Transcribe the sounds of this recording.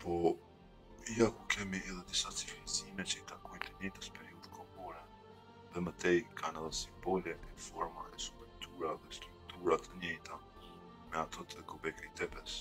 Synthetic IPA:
pɔ | ijakukɛmiɛðɛd̪isat͡sifizimɛt͡ʃəit̪akɔjt̪əɲɛjt̪əspɛɾiuðkʰɔbɔɾɛ | ðɛmət̪ɛjkʰanɛðɛsimbɔlɛt̪ɛfɔɾmaɛsu̥pɛnt̪ʰuɾaðɛst̪ɾikut̪uɾat̪ʰəɲɛjt̪a | mɛat̪ʰɔt̪ʰəkɔbɛkit̪ɛpɛs

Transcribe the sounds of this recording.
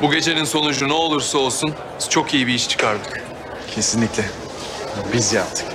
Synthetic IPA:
buɟʲe̞t͡ʃʰe̞ninso̞nud͡ʒunuo̞lˠuɾsao̞lˠsun | t͡ʃʰo̞kijibiiʃt͡ʃʰɯ̥kʰaɾd̪ɯk | cʰe̞sinlʲiclʲɛ | bizia̰ɾt̪ʰɯ̥k

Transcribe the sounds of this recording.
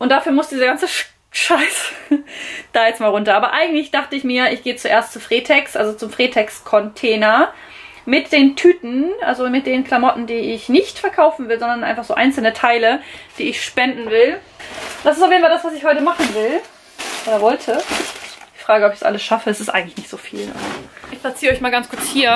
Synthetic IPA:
ʔʊnt̚d̥afyːɐmʊsd̥iːzɐɡant͡səʃ | ʃaɪs | d̥aːjɛt͡stmaːlʁʊntɐʔaːbɐʔaɪɡŋ̩tlɪçd̥aχtəɪçmiːɐʔɪçɡ̥eːət͡suʔeːɐstt͡sufʁ̥eːtʰɛksʔalzot͡sʊmfʁ̥eːtʰɛkskʰɔntʰɛːnɐ | mɪt̚d̥eːntʰyːtn̩ʔa̰lzomɪt̚d̥eːənkʰl̥amɔtn̩diːɪɪçnɪçtfɛɐkʰaʊfn̩vɪlzɔndɐnʔaɪnfaχz̥oːʔa̰ɪnt͡sl̩nətʰaɪləd̥iːɪçʃpɛndn̩vɪl | d̥asɪstaʊfjednfaldasv̥as̬ɪçhɔʏtəmaχn̩vɪl | ʔoːɾɐvɔltʰə | fʁ̥aːɡəɔpɪç̥d̥sʔa̰ləsʃafəɛsɪstʔa̰ɪɡŋ̩tlɪçnɪçtz̥oːfḭːla̰zoʔɪçplat͡siːʁəɔʏçmaːlɡant͡skʰʊɐt͡shiːɐ

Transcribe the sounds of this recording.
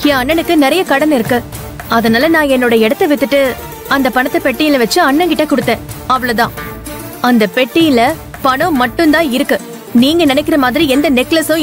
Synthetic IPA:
ẽːɐɳːɐnɯkːɯnɪɾɐjɐkɐɽɐnɪɾɯkːɯ | ɐðɐnaːlɐnãːɛnːoːɽɐɛɽɐt̪ːɐʋɛt̪ːɯʈːɯ | ɐnd̪ɐpɐɳɐt̪ːɐpɛʈːɪjɪlɐʋɐt͡ʃːɯɐɳːɐŋkɪʈːɐkʊɽɯt̪ːẽːɐʋɐɭɐt̪ãː | ɐnd̪ɐpɛʈːɪjɪlɐ | pɐɳʊ̃mɐʈːɯnd̪ãːɪɾɯkːɯ | niːŋɡɐnɪnɛkːɪɾɐmaːðɪɾiɛnd̪ɐnɪklɐsʊ̃

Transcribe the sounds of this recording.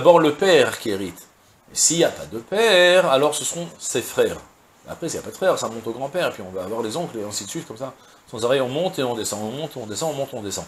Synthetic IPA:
abɔʁləpɛʁkʲieʁit̪ | mɛsiljapad̪əpɛʁalɔʁsəsəʁɔ̃sefχɛʁ | a̰pχɛsilja̰pad̪ə̥fχɛʁsamɔ̃t̪oɡʁɑ̃pɛʁepɥiɔ̃vaːvwaʁlezɔ̃kleɛ̃sit̪sɥit̪̚kɔmsa | sɑ̃zɔʁɛjɔ̃mɔ̃t̪eɔ̃d̪esɑ̃ɔ̃mɔ̃t̪ɔ̃d̪esɑ̃ɔ̃mɔ̃t̪ɔ̃d̪esɑ̰̃

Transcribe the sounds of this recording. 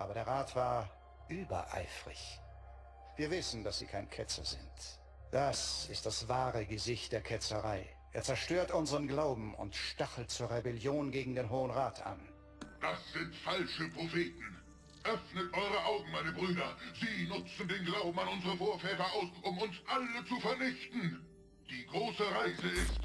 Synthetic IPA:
ʔa̰ːbɐɾeːɐʁaːtv̥aːɐ | ʔyːbɐ̰ʔa̰ɪfʁɪ̰ç | viːɐvɪsn̩d̥asz̥ḭːkʰaɪnkʰɛt͡sɐ̰zɪ̰nt | d̥asɪst̚d̥asv̥aːʁəɡəzɪçt̚d̥eːɐkʰɛt͡səʁaɪ | ʔeːɐt͡sɛɐʃtøːɐtʔʊnzəʁənɡlaʊbm̩ʊ̰ntʃtaχl̩t̚t͡suːɐʁebɛljoːnɡeːɡŋ̩deːnɦoːənʁaːtʰa̰n | d̥asz̥ɪntfalʃəpʁ̥ofeːtn̩ | ʔœfnətʔɔʏʁəʔaʊɡŋ̩maɪnəbʁyːdɐziːnʊt͡sn̩deːnɡlaʊbm̩anʊnzəʁəfoːɐfɛːtɐaʊsʔʊmʊnsʔalət͡sufɛɐnɪçtn̩ | d̥iːɡʁoːsəʁaɪzəɪst

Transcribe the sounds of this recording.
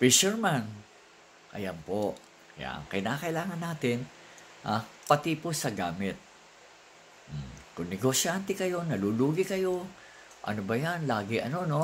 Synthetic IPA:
fiʃɛɹman | kɐ̰jampo | kɐja̰ʔɐ̰ŋkɪnaːkɐʔɪlaːŋɐnːaːt̪ɪn | ʔapɐt̪iposɐɡaːmɪt̪̚ | m̩kʊŋnɛɡosɪant̪ɛkɐjo̞nɐluːluːɡɪkɐjo̞ | ʔɐ̰nobɐjanlaːɡɪʔɐ̰no̞no̞

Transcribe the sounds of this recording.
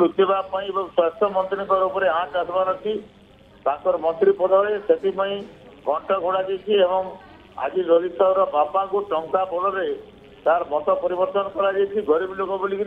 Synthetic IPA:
ɾut̪ebapãĩebɔŋswast̪ʰjɔmɔnt̪ɾiŋkɔɾupɔɾeãʈasɔbanɔt̪i | t̪aŋkɔɾɔmɔnt̪ɾipɔd̪ʱɔɽeset̪ipaĩ | ɡʱɔɳʈɔɡʱoɽad͡ʒajt͡ʃʰiebɔŋ | a̰d͡ʒiɾɔd̪isɔɾɔbapaŋkuʈɔŋkabɔɽɔɾe | t̪aɾmɔt̪ɔpɔɾibɔɾt̪ɔnɔkɔɾad͡ʒajt͡ʃʰiɡɔɾiblokɔbolik

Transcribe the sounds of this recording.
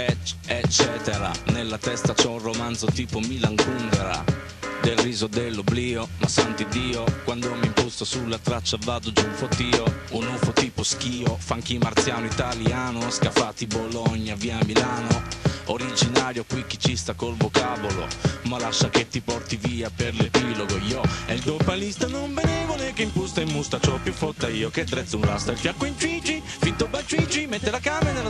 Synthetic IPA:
ɛt͡ʃːɛːt̪ɛɾa̰nelːat̪ɛst̪at͡ʃɛunromant̪zot̪iːpomilaŋkund̪ɛɾa̰ | d̪elriːzod̪elːobliːomasant̪id̪ːiːokwand̪oɔmːimpust̪osulːat̪ɾat͡ʃːavaːd̪ʊd͡ʒunfot̪ːiːounufot̪iːposk̟iːofaŋkimart̪sjaːnʊit̪aljaːnoskafat̪ːibolɔɲːaviːamːilaːnooɾid͡ʒinaːɾjokwikːit͡ʃːist̪akolvokaːvolo̰malaʃːaket̪ːipɔrt̪iviːapeɾlepiloɡojɔɛld̪opalist̪anombenɛvolekeimpust̪aimːust̪at͡ʃɔpːjufːɔt̪ːaiːoked̪ɾɛt̪sunrast̪ailfjakːoint͡ʃwit͡ʃi | fit̪ːobat͡ʃwit͡ʃimet̪ːelakaːmenela

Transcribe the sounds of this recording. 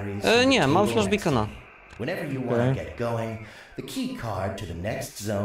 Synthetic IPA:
iɲɛmamfswɔʒbəikɔna̰ | wɛ̃ñɛvə˞jɨwɑ̃nɨɡɛt̚ɡ̥oʊɪ̃ŋ | ðɨkʰikʰɑɹd̚tʰɨðɨnɛkstz̥õʊ̃

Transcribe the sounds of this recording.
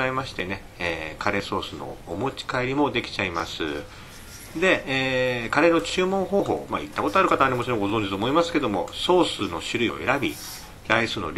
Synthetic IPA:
aimaɕi̥t̪ene̞ | eːkaɾe̞so̞ːsɨno̞̰ːmo̞t͡ɕi̥kaiɾʲimo̞d̪e̞kʲi̥t͡ɕaima̰sɨ̰ | d̪e̞eːkaɾe̞no̞t͡ɕɨːmõ̞ŋ̃ho̞ːɦo̞̰ːma̰ḭt̪ːako̞t̪o̞aɾɯ̟kat̪aanemot͡ɕiɾõɡo̞zõ̞ɲ̟d͡ʑit̪oːmoimasɨ̥ke̞d̪o̞mo̞̰so̞ːsɨno̞̰ɕɨɾɯ̟io̰e̞̰ɾabʲi | ɾaisɨːno̰ɾʲ

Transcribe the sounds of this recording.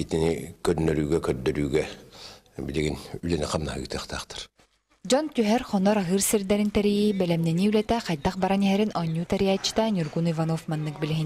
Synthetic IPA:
it̪inikœnːœɾyːɡɛkœd̪œɾyːɡɛ | biliɡinylɛniqamnaɦɯ̰ɡɯt̪ɯχt̪a̰ːχt̪ʰɯ̥ɾ | d͡ʑɔnt̪yɦɛɾχɔnɔɾaɦɯːɾsiɾd̪ɛɾint̪ɛɾijibɛlɛmnɛniylɛt̪ɛqɑjd̪ɑχbaɾaniɦɛɾinʔɔɲʲːuːt̪ɛɾijat͡ɕːi̥t̪anʲuɾɡunivanɔfmanːɯk̚bilɛɦin

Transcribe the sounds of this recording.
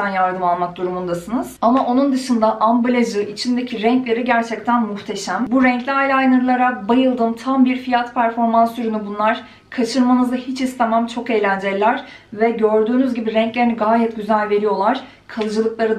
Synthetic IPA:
ænjaɾd̪ɯmalˠmak̚d̪uɾumund̪asɯnɯz̥amaʔo̞nund̪ɯʃɯnd̪aʔambulʲaʒɯʔit͡ʃʰind̪e̞cʰiɾɛɲclʲe̞ɾiɟæɾt͡ʃʰɛc̚t̪ʰænmuxt̪ʰe̞ʃæmbuɾɛɲclʲiajlʲajnɯɾɯlˠaɾabajɯlˠd̪ɯmt̪ʰambiɾfijat̪pʰæɾfo̞ɾmansyɾynybunlˠaɾ̥ | kʰat͡ʃʰɯɾmanɯzd̪ahit͡ʃʰist̪ʰemæmt͡ʃʰo̞kejlʲænd͡ʒelʲæɾ̥vɛɟø̞ɾd̪yːnyzɟibiɾɛɲclʲeɾiniɡaːjɛt̪̚ɟyzælʲve̞ɾijo̞lˠaɾ̥ | kʰalˠɯd͡ʒɯlˠɯklˠaɾɯ

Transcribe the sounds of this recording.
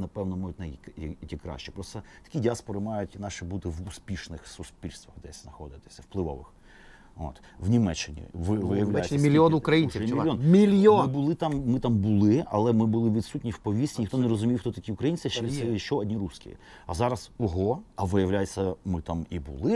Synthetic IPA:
nɐpɛwnɔmɔjʊtʲnɐjktʲikɾɑ̰ʃt͡ʃɪ̥pɾɔst̪ɐt̪ɐ̥kʲidʲaspɔɾɪmɑjʊtʲnɑʃɪbut̪ɪʋuspʲiʃnɪxsʊspʲilʲst̪ʋɐɣd̪ɛsʲznɐxɔd̪ɪt̪ɪ̥sʲɐwplˠɪʋɔ̰ʋɪ̰x | o̰t̪ | ʋnʲimɛt͡ʃːɪnʲḭʋɪʋɪjɐʋlʲajmʲilʲɔnʊkɾɐjinʲsʲmlʲjɔnmʲilʲjɔmɪbʊlˠɪt̪ɑmːɪt̪ɑmbʊlˠɪɐ̰lˠɛmɪbʊlˠɪʋʲid̪sutʲnʲiwpɔʋʲisʲinʲɪxt̪ɔneɾɔzʊmʲiwxt̪ɔt̪ɐkʲiʊkɾɐjinʲt͡sʲɪʃt͡ʃɛʃt͡ʃɔɔdʲnʲiɾuskʲḭ | ɐzɑɾɐsɔɦɔɐʋɪjɐwlʲajt͡sʲːɐmɪt̪ɑmibʊ̰lˠɪ

